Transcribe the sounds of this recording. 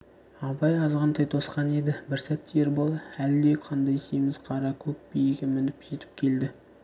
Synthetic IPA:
ɑbɑjɑzʁɑnt̪ʰɑjt̪ʰo̞sqɑne̞d̪ɪbɪɾsæt̪ʰːɪjeɾbolˠæld̪eqʰɑnd̪ɑjst̪ejmɪzqʰɑɾɑkʲʰɵk̚bejeɡʲemɪnɪpʒe̞t̪ɪ̥p̚kʲʰe̞ld̪ɪ

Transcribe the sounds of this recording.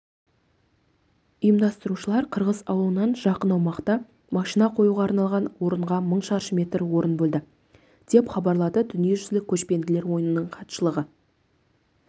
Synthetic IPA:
ʊjəmd̪ɑst̪əɾuʃəlˠɑɾqʰəɾʁəzɑwəlˠənɑnʒɑqənɑwmɑqt̪ɑ | mɑʃinɑqʰo̞juʁɑːɾnɑlˠʁɑnwo̞ɾəɴʁɑməɴʃɑɾʃəmʲe̞t̪rwo̞ɾənbɵld̪ɪ | d̪̥e̞pχɑbɑɾlˠɑd̪əd̪ʏnije̞ʒʏzlɪkʲʰɵʃpe̞nd̪ɪle̞ɾwo̞jənənəɴqʰɑt̪ʃəlˠəʁə

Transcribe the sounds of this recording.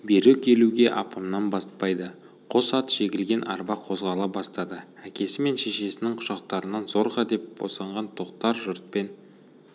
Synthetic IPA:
beɾekʲʰe̞luɡʲe̞ʔɑpɑmnɑnbɑs̚pɑjd̪ə | qʰo̞sɑt̪ʒ̥e̞ɡʲɪlɡʲe̞nʔɑ̰ɾbɑqʰo̞zʁɑlˠɑbɑst̪ɑd̪əækʲe̞sɪme̞nʃe̞ʃe̞sɪnɪŋqʰʊ̥ʃɑq̚t̪ɑɾənɑnzo̞ɾʁɑd̪e̞p̚b̥o̰sɑɴʁɑnt̪ʰo̞qt̪ɑɾʒʊɾt̪̚pe̞n

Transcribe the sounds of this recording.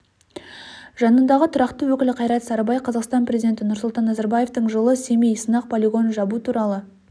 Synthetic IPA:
ʒɑnənd̪ɑʁət̪ʰʊɾɑqt̪əwɵkʲɪlɪqʰɑjɾɑt̪sɑɾbɑjqʰɑzɑqst̪ɑnprʲe̞zʲijd̪ʲe̞nt̪ɪnʊɾsʊlˠt̪ɑnːɑzɑɾbaje̞ft̪əɴʒəlˠəse̞mejsənɑq̚pʰolʲiɡo̞nʒɑbut̪ʰuɾɑlˠə

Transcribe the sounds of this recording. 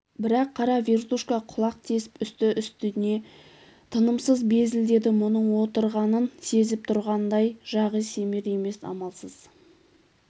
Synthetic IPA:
bɪɾɑqʰːɑɾɑvʲe̞rt̪uʃkɑqʰʊlˠɑq̚t̪ʰe̞sɪ̥pʏst̪ɪʔʏst̪ɪne̞ | t̪ʰənəmsəzbe̞zɪld̪e̞d̪ɪmʊnəɴwo̞t̪əɾʁɑnənse̞zɪp̚t̪ʰʊɾʁɑnd̪ɑjʒ̥ɑʁəjse̞meɾe̞me̞sɑ̰mɑlˠsəz̥

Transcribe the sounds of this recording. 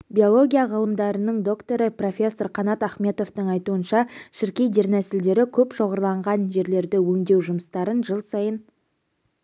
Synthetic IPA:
bʲijo̞lˠo̞ɡʲijaʁəlˠəmd̪ɑɾənəɴd̪o̞kt̪o̞ɾəpro̞fʲe̞sːo̞ɾqʰɑnɑt̪æχme̞t̪o̞ft̪əɴɑjt̪uənʃɑʃɪɾkʲe̞jd̪e̞ɾnæsɪld̪e̞ɾɪkʲʰɵpʃo̞ʁəɾlˠɑɴʁɑnʒe̞ɾle̞ɾd̪ɪwɵŋd̪e̞wʒʊməst̪ɑɾənʒəlˠsɑjən

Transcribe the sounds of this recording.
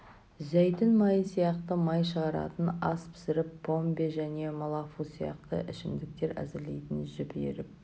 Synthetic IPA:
zæjt̪ɪnmɑjəsijɑqt̪əmɑjʃəʁɑɾɑ̰t̪ənɑspʰɪ̥sɪɾɪpːo̞mbeʒæne̞molˠɑfusijɑ̰q̚t̪ə̰ʔɪʃɪmd̪ɪk̚t̪e̞ɾæ̰zɪɾle̞jt̪ɪnʒɪbḛɾɪp̚

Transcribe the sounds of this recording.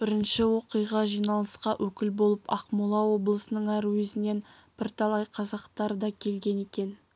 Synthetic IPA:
b̥ɪɾɪnʃɪwo̞qijʁɑʒijnɑlˠəsqɑʔɵkʲɪlbo̞lˠəpʰɑqmulˠɑwo̞blˠəsənəɴæɾuwezɪne̞n | b̥ɪɾt̪ʰɑlˠɑjqʰɑzɑqt̪ɑɾəd̪ɑkʲʰe̞lɡʲe̞ne̞kʲe̞n

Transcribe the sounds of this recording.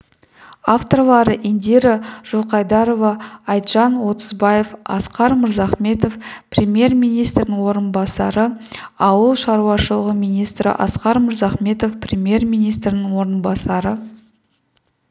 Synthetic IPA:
aft̪o̞rlˠɑɾəʔend̪eɾɪʒ̥olˠqɑjd̪ɑɾo̞vɑɑjt̪ʒ̥ɑnwo̞t̪əzbɑje̞fɑ̰sqɑɾməɾzɑχme̞t̪o̞fprʲemje̞rmʲijnijst̪ɾɪnɪŋwo̞ɾənbɑsɑɾəɑwəlˠʃɑɾuwɑʃəlˠəʁəmijnijst̪ɾɪ̰ʔɑ̰sqɑɾməɾzɑχme̞t̪o̞fprʲemje̞rmijnijst̪ɾɪnɪŋwo̞ɾənbɑsɑɾə

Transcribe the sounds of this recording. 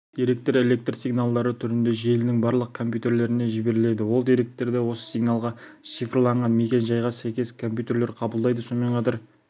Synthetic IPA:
d̪̥iɾe̞k̚t̪ɾe̞le̞k̚t̪rsiɡnalˠd̪ɑɾət̪ʰʏɾɪnd̪e̞ʒe̞lɪnɪŋbɑɾlˠəq̚kʰo̞mpʲjut̪e̞ɾle̞ɾɪne̞ʒɪbe̞ɾɪle̞d̪ɪwo̞lˠd̪ijɾe̞k̚t̪ːe̞ɾd̪e̞wo̞sə̥siɡnalˠʁɑ | t̪sijfrlˠɑɴʁɑnme̞kʲe̞nʒɑjʁɑsæjkʲe̞skʰo̞mpʲjut̪e̞ɾle̞ɾqʰɑbəlˠd̪ɑjd̪əso̞nme̞ɴqʰɑt̪ɑɾ

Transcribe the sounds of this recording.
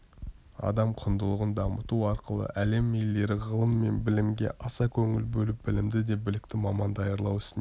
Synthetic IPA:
ɑ̰d̪ɑmqʰʊnd̪əlˠəʁənd̪ɑmət̪uɑɾqʰəlˠə̰ʔæle̞mːelːe̞ɾɪʁəlˠəmːe̞nbɪlɪmɡʲe̞̰ʔɑsɑkʲʰɵŋɪlbɵlɪp̚bɪlɪmd̪ɪd̪e̞bɪlɪk̚t̪ɪmɑmɑnd̪ɑjɑɾlˠɑwɪ̥sɪne

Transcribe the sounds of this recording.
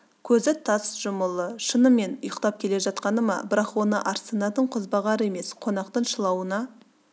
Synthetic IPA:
kʲʰɵzɪt̪ʰɑsʒ̥ʊməlˠəʃənəmːe̞nʊjəqt̪ɑp̚kʲʰe̞le̞ʒɑt̪qɑnəmɑ̰bɪɾɑqwo̞nəʔɑɾsənɑd̪əɴqʰʊzbɑʁɑɾəe̞me̞sqʰo̞nɑqt̪əɴʃəlˠɑwənɑ

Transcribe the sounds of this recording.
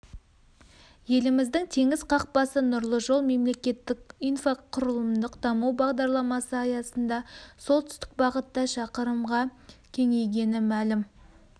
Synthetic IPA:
je̞lɪmɪzd̪ɪŋt̪ʰe̞ŋɪzqʰɑq̚pɑsənʊɾlˠəʒo̞lˠme̞mle̞kʲe̞t̪ːɪkijnfoqʰʊɾəlˠəmd̪əqd̪ɑmuwbɑʁd̪ɑɾlˠɑmɑsəɑjɑsənd̪ɑsolˠt̪ʏ̥st̪ɪ̥k̚bɑʁət̪ːɑʃɑqəɾəmʁɑkʲʰe̞ŋe̞jɡʲe̞nɪmælɪm

